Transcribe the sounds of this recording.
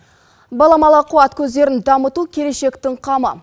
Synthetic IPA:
bɑlˠɑmɑlˠɑqʰuɑt̪kʲʰɵzd̪e̞ɾɪnd̪ɑmət̪ukʲʰe̞le̞ʃe̞kt̪ɪɴqʰɑmə̰

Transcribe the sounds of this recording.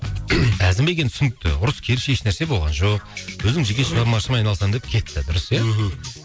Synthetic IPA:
æzɪmbeɡʲe̞nt̪ʏ̥sʏnɪk̚t̪ɪ̰ʊɾəskʲʰe̞ɾɪʃe̞ʃnæɾse̞bolˠʁɑ̰nʒo̞q̚wɵzɪmʒeɡʲeʃʁɑɾmɑʃəmɑjnɑlˠsɑmd̪e̞p̚kʲʰe̞t̪ːɪd̪ʊɾəsja

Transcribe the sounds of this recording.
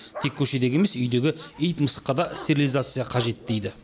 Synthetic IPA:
t̪ʰe̞kʲʰːɵʃe̞d̪e̞ɡʲe̞me̞sʏjd̪e̞ɡʲɪijt̪məsə̥qːɑd̪ɑst̪ʰeɾʲilʲizat̪sɨjɑqʰɑʒe̞t̪d̪e̞jd̪ɪ

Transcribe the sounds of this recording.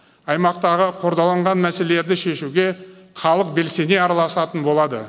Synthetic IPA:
ɑjmɑq̚t̪ɑʁəqʰoɾd̪ɑlˠɑɴʁɑnmæse̞leleɾd̪ɪʃe̞ʃuɡʲe̞χɑlˠəq̚be̞lse̞ne̞ɑɾɑlˠɑsɑt̪ənbo̞lˠɑd̪ə

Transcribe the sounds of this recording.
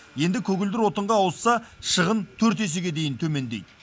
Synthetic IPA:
je̞nd̪ɪkʲʰɵɡʲɪld̪ɪɾwo̞t̪əɴʁɑːwəsːɑʃəʁənt̪ʰɵɾt̪e̞s̬eɡʲe̞d̪e̞jɪnt̪ʰɵme̞nd̪e̞jd̪ɪ

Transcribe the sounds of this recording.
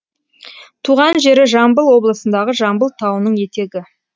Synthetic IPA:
t̪ʰuʁɑnʒe̞ɾɪʒɑmbəlˠwo̞blˠəsənd̪ɑʁəʒɑmbəlˠt̪ʰɑwənəɴje̞t̪e̞ɡʲɪ

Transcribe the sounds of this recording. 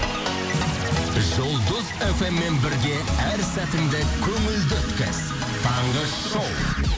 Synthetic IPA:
ʒʊlˠd̪ʊze̞fe̞mːe̞nbɪɾɡʲe̞æɾsæt̪ɪmd̪ekʲʰɵŋɪld̪ɪt̪kʲɪ̰z̥ | t̪ʰɑɴʁə | ʃowˠ

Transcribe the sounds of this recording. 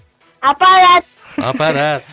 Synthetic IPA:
apaɾa | a̰paɾat

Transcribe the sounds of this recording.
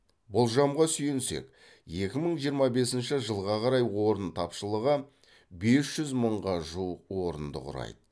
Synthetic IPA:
bʊlˠʒɑmʁɑsʏjɪnse̞̰k | je̞kʲɪməɴʒijəɾmɑbe̞sɪnʃɪʒəlˠʁɑqʰɑɾɑjwo̞ɾənt̪ʰɑpʃəlˠəʁə | be̞sʒ̥ʏzməɴʁɑʒuəqwo̞ɾənd̪ə̰qʊ̰ɾɑ̰jd̪̥ə

